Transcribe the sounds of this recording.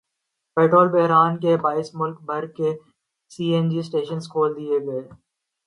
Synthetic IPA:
peːʈɾoːlbɛɦɾaːnk̬ebaːɪsmʊlkbʱɐɾkːe | siːɛ̃nd͡ʒisʈeːʃənskʰoːld̪ieɡɐeː

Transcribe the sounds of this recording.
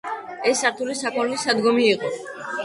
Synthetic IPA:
ɛsːaɾt̪ʰulisakʰʼɔnlisad̪ɡɔmiːqʼɔ

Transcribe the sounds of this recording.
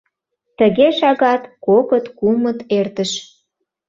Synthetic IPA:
t̪əɣeʃɑɣɑt̪kokət̪kumət̪ert̪əʃ

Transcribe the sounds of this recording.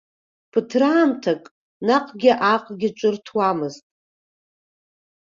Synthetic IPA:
pʰɨtʰraːmtʰakʼ | naqʼɡʲɪʔaqʼɡʲɪt͡ʃʷʼʊrtʰwamɨztʼ

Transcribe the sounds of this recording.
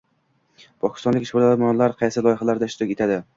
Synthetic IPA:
pʰɒkʲɪ̥st̪ɒnlɪkʲɪʃbolamɒnlaɾqʰɑjsɪlˠɒjɪχalaɾd̪aʃt̪ʊkʲet̪ʰad̪ɪ

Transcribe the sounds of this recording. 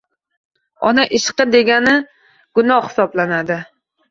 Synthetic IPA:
ɒ̰naʔɪʃqɨd̪e̞ɡʲanɪ | ɡ̥ʊnɒhhɪ̥sɒblanad̪ɪ

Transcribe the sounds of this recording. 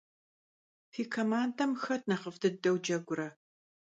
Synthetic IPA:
fiːkʰɐmaːndɐmxɐt̚ʰnɐχəfdɨdɐwd͡ʒɐɡʷʊɾɐ

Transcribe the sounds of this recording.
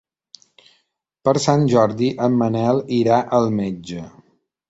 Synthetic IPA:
pəɾsanʲʒɔɾðiʔəmːənɛlˠiɾaʔəlˠmed͡ʒə

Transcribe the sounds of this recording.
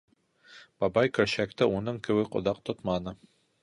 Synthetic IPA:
b̥ɑbɑjkɵ̆ɾɕæk̚t̪ɘunɤɴkɘ̆wɘqŏ̰ðɑq̚t̪ot̪mɑnɤ

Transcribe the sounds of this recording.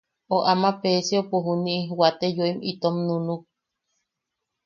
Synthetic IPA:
oʔamapesiopuɦuniʔiwat̪ejoimit̪omnunuk̚

